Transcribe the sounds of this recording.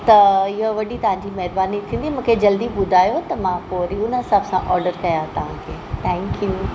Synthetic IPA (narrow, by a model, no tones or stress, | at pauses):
t̪ɐɪɦoʋɐɗit̪ɐʋãɲd͡ʑimɛɦɾbaːnit̪ʰĩːnd̪imũːkʰed͡ʑɐld̪iɓʊd̪ʱaːjot̪ɐmãpoːɾiʊnəɦɪsaːbsãʔɔːɾɖəɾkɐjat̪ɐʋ̤ã̰kʰeːt̪ʰɛ̃ːŋkju